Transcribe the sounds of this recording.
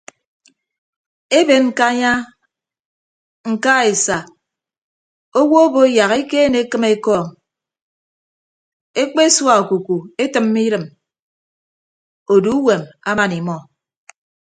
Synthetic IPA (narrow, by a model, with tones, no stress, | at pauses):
e˦be˨ŋ̩˨ka˦ɲa˦ | ŋ̩˨ka˦e˨sa˨ | o˦wo˦o˦bo˦e˦ja˨ɣe˦ke˦ne˨e˦kɨ˦me˦kɔː˦˨ŋ | e˦k͡pe˦e˦swa˦˨o˨ku˨ku˨e˦tɨ˨mːi˦ɾɨ˨m | o˨du˦u˦we˨ma̰˦ma˨ni˨mɔ˨